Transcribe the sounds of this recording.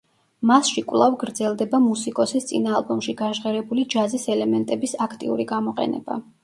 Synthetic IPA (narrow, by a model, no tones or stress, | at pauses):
masʃikʼvlˠavɡɾd̪zɛlˠd̪ɛbamusikʼɔsist̪sʼḭnaːlˠbɔmʃiɡaʒʁɛɾɛbulid͡ʒazisɛlɛmɛnt̪ʼɛbisakʰt̪ʼḭṵɾiɡamɔqʼɛ̰nɛ̰ba̰